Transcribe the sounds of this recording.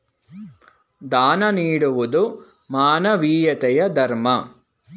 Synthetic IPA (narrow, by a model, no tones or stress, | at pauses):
d̪aːnɐniːɽuʋud̪u | maːnɐʋiːjɐt̪ɛjɐd̪ʱɐɾmɐ